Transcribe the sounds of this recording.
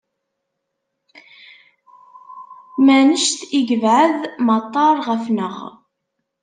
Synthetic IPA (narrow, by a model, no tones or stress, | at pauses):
mænəʃt̪iɡəvʕəðmɑt̪ˤːɑɾˤʁəfnəʁ